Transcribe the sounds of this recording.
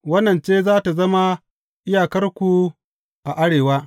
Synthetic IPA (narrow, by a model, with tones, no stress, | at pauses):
wɐ˦nːɐ˨nt͡ʃeː˦zaː˦ta˨zɐ˦ma˦ | ʔɪ˦jaː˨kɐ˦rkʷu˨ | ʔa˨ʔa˦ɽeː˨waː˦